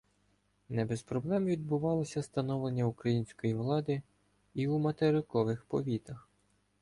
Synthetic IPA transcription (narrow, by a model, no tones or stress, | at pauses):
nɛbespɾɔblˠɛmʋʲid̪̚bʊʋɑlˠɔsʲɐst̪ɐnɔʋlˠe̞nʲːɐukɾɐjinʲsʲkɔjiʋlˠɑd̪ɪ | iumɐt̪eɾɪkɔʋɪxpɔʋʲit̪ɐx